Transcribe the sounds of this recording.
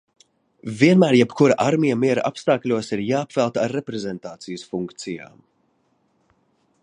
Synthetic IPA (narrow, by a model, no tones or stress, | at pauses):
viɛnmæːɾjɛpkʰuɾaʔaɾmijamiɛɾa̰ʔapst̪aːklʲuɔsiɾjaːpvɛlˠt̪aɾːepɾezɛnt̪aːt̪sijəsfuŋkt̪sija̰ːm